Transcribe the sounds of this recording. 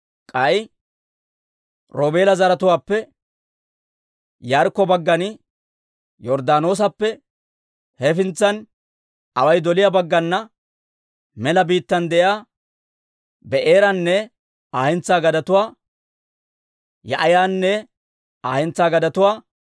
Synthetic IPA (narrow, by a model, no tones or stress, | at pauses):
kʼɐj | ɾoːbe̞ːlɐzɐɾɐt̪ʊwaːpːɛ | jaːɾkːɔbɐɡːɐnɪ | jɔɾd̪aːno̞ːs̬ɐpːɛ | hɛfɪnt͡sːɐn | ɐwɐjd̪ɔlɪjabɐɡːɐnːɐ | mɛlɐbiːt̪ːɐnd̪ɛʔjaː | bɛʔeːɾɐnːɛ | aːhɛnt͡sːaːɡɐd̪ɐt̪ʊwaː | jɐʔɐjaːnːɛ | aːhɛnt͡sːaːɡɐd̪ɐt̪ʊwaː